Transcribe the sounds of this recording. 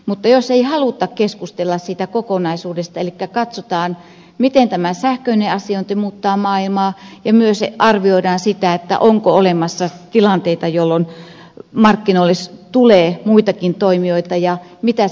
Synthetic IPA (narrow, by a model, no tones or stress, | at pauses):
mut̪ːɑjoseihɑlut̪ːˑɑkkeskust̪elːɑssiːt̪ækokonɑisuːdest̪ɑelikːækɑt̪sot̪ɑːn | mit̪ent̪æmæsæhkøineɑsiont̪emuːt̪ːɑːmɑːilmɑːjɑmyøseʔɑrʋioidɑːnsit̪æet̪ːæ̰ʔoŋkoolemɑsːɑt̪ilɑnt̪eit̪ɑjolːon | mɑrkːinoilːest̪uleːmuit̪ɑkint̪oimioit̪ɑjɑmit̪æ